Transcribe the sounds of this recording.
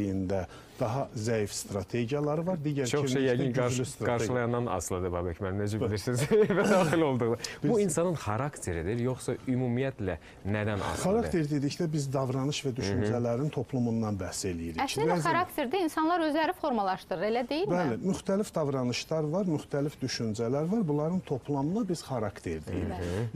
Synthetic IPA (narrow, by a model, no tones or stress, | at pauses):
jind̪æ | d̪̥ɑɦɑzæjifst̪ɾɑt̪ʰe̞ɟijɑlˠɑɾɯvɑɾd̪iːɟæɾt͡ʃʰoiɛjæɡinɡɑɾlyst̪ɾɑɡɑɾʃeɯlˠɑjɑnːɑnɑ̰slˠɯd̪ɯbɑbɛcʰmænmned͡ʒɛbilʲiɾsizvæd̪ɑːχilo̞lˠd̪uʁd̪ɯbibuinsɑnɯnχɑɾɑkt̪ʰe̞ɾid̪iɾjo̞χsɑymumijæt̪læ | næd̪ænɑ̰sχɑɾɑkt̪ʰe̞ɾd̪ed̪iclæbizd̪ɑvɾɑnɯʃvæd̪yʃynd͡ʒælæɾint̪ʰo̞pʰlˠumund̪ɑnbæse̞lijiɾic̪æzɾakt̪ʰeɾd̪iinsɑnlˠɑɾø̞zlæɾifo̞ɾmɑlˠɑʃt̪ɯɾɯɾelæd̪ejilbæælɪmyxt̪ʰælifd̪ɑvɾɑnɯʃlɑɾvɑɾmyxt̪ʰælifd̪yʃynd͡ʒælæɾvɑɾbulˠɑɾɯnt̪ʰo̞pʰlˠɑmɯnɑbiz̥χɑɾɑkt̪ʰe̞̰ɾd̪ḛḭɾi